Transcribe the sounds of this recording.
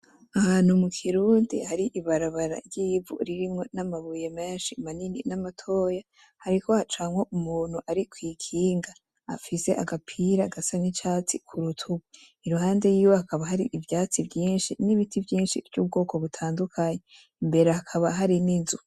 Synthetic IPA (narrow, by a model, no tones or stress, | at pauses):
ahaːnhumukʰiɾuːndḭhaɾiʔiβaɾaβaɾa̰ɾɟiːvṵɾiɾimŋo̞namaβujemeːnʃimanininamatʰo̞ːja | haɾiko̞hat͡ʃaːŋwo̞ʔumuːn̥huʔaɾikwiːkʰiːŋɡa̰ː | fise̞ʔa̰ɡapʰiɾaɡasanit͡ʃaːt͡sikʰuɾutʰuβe | iɾuhaːnde̞jiːwo̞hakaβaɦaɾiʔːvjaːt͡sivɟiːnʃiniβitʰivjiːnʃḭvɟuːb̚ɡo̞ːko̞βutʰaːndukʰaɲe | imbe̞ɾehakʰaβaɦaɾininzu